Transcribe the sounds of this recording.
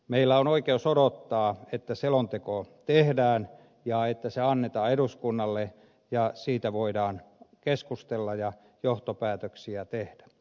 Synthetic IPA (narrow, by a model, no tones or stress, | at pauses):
meilːæonoikeosodot̪ːɑːet̪ːæselont̪ekot̪ehdæːn | jɑet̪ːæseɑnːet̪ɑːeɾuskunːɑlːe | jɑsiːt̪æʋoidɑːnkeskust̪elːɑjɑ | joht̪opæːt̪øksiæt̪ehd̥æ̥